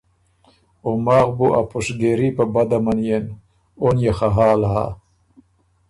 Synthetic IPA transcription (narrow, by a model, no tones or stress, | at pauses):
omaːɣbuʔapuʂɡeɾipabad̪amanjen | onjaxaɦaːlaɦa̰